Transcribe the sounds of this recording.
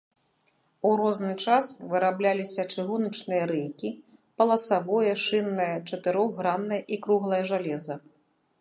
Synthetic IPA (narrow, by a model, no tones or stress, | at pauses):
uɾɔznɨt͡ʂasvɨɾablʲalʲisʲɐt͡ʂɨɣunɐt͡ʂnɨjɐɾɛjkʲi | pɐlˠɐsavɔjɛʂɨnːɐjɐt͡ʂɐt̪ɨɾɔɣːɾanːɐjɐʔikɾuɣlˠɐjɐʐalʲɛzɐ